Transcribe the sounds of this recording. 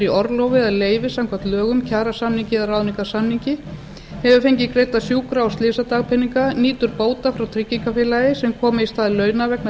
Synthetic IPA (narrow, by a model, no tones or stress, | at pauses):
ɾiɔɾlɔwvɪaðleːjvɪsamkʰvat̪lœːɣʏmcʰaːɾasamniŋɲcɪðaɾraːðniŋkasamniɲcɪ | hɛvʏfejɲcɪkɾeːjt̪asjuːkɾawst̪lɪːsat̪aːɣpʰɛniŋkaniːt̪ʏɾpoːwt̪afɾawt̪ʰɾicːiŋkafɪːlajɪsɛmkʰɔːmɪist̪aːðɪlœːɥnavɛkn